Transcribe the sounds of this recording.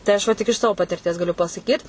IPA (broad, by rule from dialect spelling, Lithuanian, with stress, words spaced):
tɐɪ ˈɐʃ ʋɐ tʲɪk ɪʃ ˈsɑːʋoː pɐtʲɪrʲˈtʲiɛs ɡɐˈlʲʊ pɐsɐˈkʲiːt